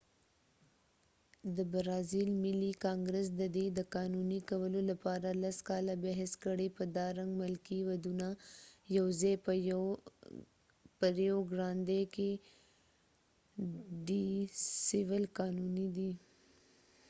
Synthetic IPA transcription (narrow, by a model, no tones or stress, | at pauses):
d̪əbaɾɑzilmɪlikɑŋɡɾes̬d̪əd̪ed̪əkɑnunikawəlolapɑɾalaskɑlabɛɦɪskəɽepəd̪ɑɾaŋɡmɪlkiwad̪unajawzejp | pəɾjoɡɾɑnd̪eke | ɖisɪwəlkɑnunid̪i